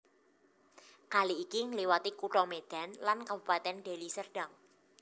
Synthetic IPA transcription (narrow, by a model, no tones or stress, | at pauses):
kaliːkiŋliwat̪ikuʈɔmed̪̥a̤nlankabupat̪ɛnɖe̤lisərɖ̥aŋ